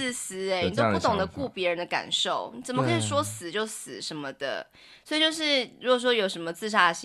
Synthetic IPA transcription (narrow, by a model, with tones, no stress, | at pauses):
s̩˥e˧ni˨˩o˥pu˥˩t̪ʰʊ˨˩ŋd̪ə˩ku˥˩pjɛ˧˥ɻə˧˦nd̪ə˧ka̰˨˩nʂo˥˨˩ʊni˨˩t͡sə˨˩mə˧kʰə˧˥i˨˩ʂwɔ˥sɹ̩˨˩˦t͡ɕjo˥˩ʊsɹ̩˨˩ʂə˧˥nmə˧d̪ə̰˩ | swɔ˧˥i˨˩t͡ɕjo˥˧ʊʂ̬ɻ̩˥˩ɻu˧˥ɡɔ˨˩ʂwɔ˥jo˨˩ʊʂə˧˥nmə˧t͡sɹ̩˥˧ʂa˥˩ɕi˧